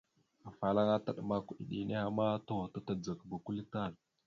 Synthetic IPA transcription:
a˨fa˨la˦ŋa˦ta˨ɗma˦ku˨ɗḭ˨ɗi˨ne˦a˨ma˦ta˦wa˨ta˦ta˨d͡za˨kba˨ku˦li˦ta˦˨ɾ

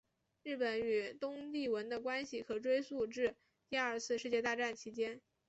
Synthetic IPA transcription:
ɻ̩˥˩pə˨˩ny˨˩t̪ʊ˥ŋt̪i˥˩wə˧˥nd̪ə˧kwa˥nɕi˨˩kʰɤ˧˨˩ʈ͡ʂwe˥ɪsu˥˧ʈ͡ʂɻ̩˥˧ | t̪i˥˧ɐ˞˥˧t͡sʰɹ̩˥˧ʂɻ̩˥˧t͡ɕjɛ˥˧t̪a˥˧ʈ͡ʂa˥˩nt͡ɕʰi˧˥t͡ɕjɛ˥n

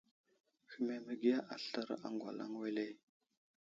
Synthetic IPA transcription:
xi˨me˨mə˨ɡi˦ja˦ʔa˨ɬə˦ɾa̰˨ŋɡʷa˨la̰˦ŋwe˦le˦

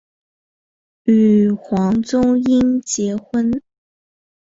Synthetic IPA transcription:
y˨˩xwɑ˧˥ŋt͡sʊ˥ŋi˥nt͡ɕjɛ˧˥xwə˥n

